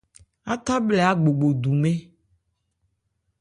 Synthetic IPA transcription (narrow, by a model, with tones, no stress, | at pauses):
a˦t̪a˦blɛ˨a˦ɡ͡bo˨ɡ͡bo˨d̪u˨mẽ˦